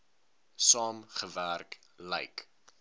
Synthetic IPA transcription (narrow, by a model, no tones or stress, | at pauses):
sɑːmχəværk | lɛ̰jk